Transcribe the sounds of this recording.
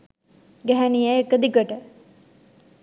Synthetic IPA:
ɡæɦænijeekəd̪ikəʈə

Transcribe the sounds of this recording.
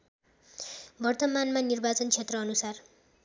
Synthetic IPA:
bʌrt̪ʌmanmanirbat͡sʌnt͡sʰet̪rʌːnusar

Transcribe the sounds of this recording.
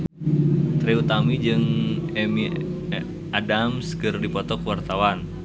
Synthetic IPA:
t̪ɾeut̪amid͡ʒɨŋɛmi | adamskɨrdipɔt̪ɔkwart̪awan

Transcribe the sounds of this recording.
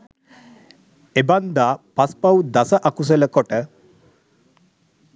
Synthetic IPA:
eband̪aːpaspawd̪asəʔakus̬eləkoʈə

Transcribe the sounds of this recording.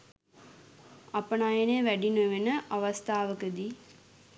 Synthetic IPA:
ɐpənaːjeneʋæɖinuʋenəʔɐʋɐst̪ʰaːʋəkəd̪i

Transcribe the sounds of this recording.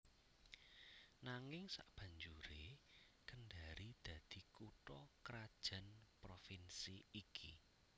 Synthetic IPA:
naŋɪŋsa̰ʔb̥ä̤ɲd͡ʒuɾe | kənɖaɾid̪̥ä̤d̪̥i̤kuʈɔkɾad̥ʒ̥a̤npɾofinsiːkʰi

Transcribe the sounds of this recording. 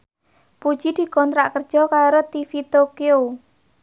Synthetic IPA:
pu̥ʒ̥id̪̥i̤kɔnt̪ɾa̰ʔkərd̥ʒ̥ɔ̤kaɾot̪ifit̪okeo

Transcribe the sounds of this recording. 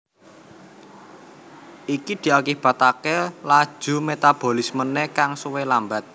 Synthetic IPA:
ʔikid̪̥i̤akib̥a̤t̪akelad̥ʒ̥ṳmet̪ab̥o̤lismənekaŋsuwelambat̪̚

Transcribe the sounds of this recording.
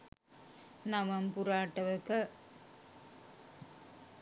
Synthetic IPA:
nɐmɐmpʊɾaːʈːɐʋɯkːɐ

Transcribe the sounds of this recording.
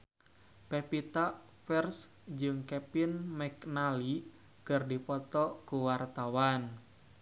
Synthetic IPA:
pɛpit̪aʔ | fɛrs | d͡ʒɨŋkɛpɪnmɛknali | kɨrdipɔt̪ɔkuwart̪awan

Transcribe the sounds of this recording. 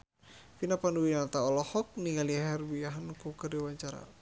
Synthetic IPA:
finapanuwinat̪aɔlɔhɔk̚niŋaliaɦɛrbiaɦankukərdiwaɲt͡ʃaɾa̰

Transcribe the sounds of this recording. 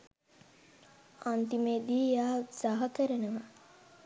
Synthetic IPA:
ant̪imed̪iːjaːsaɦɐkəɾənəʋa

